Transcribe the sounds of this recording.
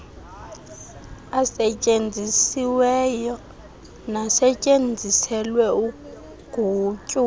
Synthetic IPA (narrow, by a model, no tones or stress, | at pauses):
asɛt͡ʃʼend͡zʱisiwɛjɔ | nasɛcʼend͡zʱisɛlwɛu | ɡ̥ʱuːt͡ʃʼu